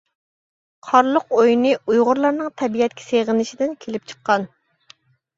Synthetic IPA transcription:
qʰɑɾlˠəqojnɨujʁʊɾlˠɑɾnɨŋt̪ʰɛbijɛt̪̚kʲʰɛ̥seʁənɪʃid̪ɪnkʲʰelɪp̚t͡ʃʰə̥qʰːɑn

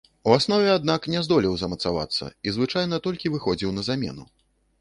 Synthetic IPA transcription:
uasnɔvʲɛad̪̚naknʲɛzd̪ɔlʲiwzɐmɐt̪sava̰t̪sːɐ̰izvɨt͡ʂajnɐt̪ɔlʲkʲivɨxɔd͡zʲiwnɐzamʲɛ̰nu

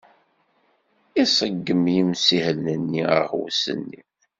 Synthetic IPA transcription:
isˤəɡːəmjimsihəlnənːiə̰hwsə̰nːḭ

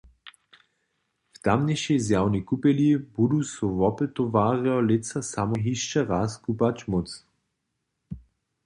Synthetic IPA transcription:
ft̪amnɛʃezjawnikupɛljibudusɔʋɔpɛt̪ːɔvaːʁɛɔlet͡sasamɔɦiʃt͡ʃaʁaːskupat͡ʃmot͡s

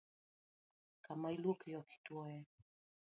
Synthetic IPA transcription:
kamailukijɔkʰi̥twɔɛ

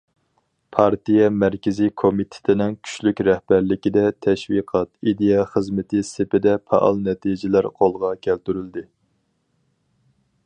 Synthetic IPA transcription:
pʰɑɾt̪ijɛmæɾkʲɪzikʰomit̪ʰɪ̥t̪ʰɪnɪŋkʲʰy̥ʃlykʲɾɛhbæɾlɪkʲid̪ɛt̪ʰɛʃwiqʰɑt̪id̪ejɑχəzmɪt̪ʰɪsepɪd̪ɛpʰɛ̰ʔɑ̰lˠnɛt̪ʰid͡ʒɪlæɾqʰolˠʁɑkʲʰælt̪yɾyld̪ɪ

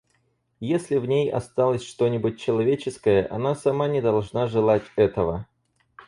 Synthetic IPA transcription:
jesʲlʲɪvnʲejɐ̰st̪alˠəsʲʂt̪o̞nʲɪbʊt̚ʲt͡ɕːɪlˠɐvʲet͡ɕɪskəjəʔɐ̰nasɐmanʲɪd̪ɐlˠʐnaʐɨlˠatʲɛt̪əvə

